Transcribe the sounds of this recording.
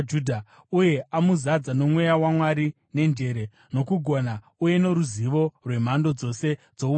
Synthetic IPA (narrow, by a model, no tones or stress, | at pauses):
d͡ʒudʱa | uje̞amuzad͡zano̞mwe̞jawamwaɾi | ne̞nd͡ʒe̞ɾe̞ | no̞kuɡʱo̞na | uje̞no̞ɾuziʋo̞rwe̞m̤ando̞d͡zo̞se̞d͡zo̞u